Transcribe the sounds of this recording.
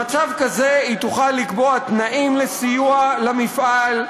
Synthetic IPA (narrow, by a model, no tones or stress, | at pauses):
at͡savkazeit̪uχalːikbo̞at̪naʔimlesijualamifʔal